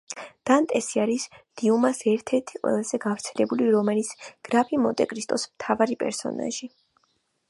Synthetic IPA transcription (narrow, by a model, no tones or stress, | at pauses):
d̪̥ant̪ʼɛsiaɾisd̪̥iumasɛɾt̪ʰɛɾt̪ʰiqʼwɛ̰lˠazɛɡavɾt̪sʰɛlɛbuliɾɔmɛlit̪sʰɡ̥ɾapʰimɔt̪ʼɛkʼɾist̪ʼɔsmt̪ʰavaɾipʼɛ̰ɾsɔ̰na̰ʒi